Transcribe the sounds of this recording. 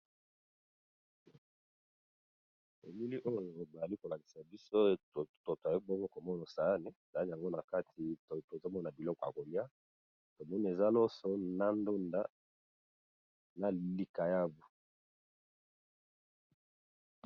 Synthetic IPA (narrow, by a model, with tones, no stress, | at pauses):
e˨mi˦li˦ʔo˦jo˨ba˨a˨i˦ko˨la˨ki̥˨sa˨bi˦so˦o˨to˨ta˨ji˦bɔ˦ŋɡo˦ko˨mɔ˦na˨sa˨˦ne˨sa˨˦i˨a˨ŋɡo˦na˨ka˦tʰi˨to˨to˨zo˦mɔ˦na˨bi˨lɔ˦kɔ˨ja̰˨ko˨li˦a˦ | to˨mɔ˦n˨e˨za˦lɔ˦sɔ˦na˦ndo˦nda˦ | na˨li˨ka˨ja˦bu˨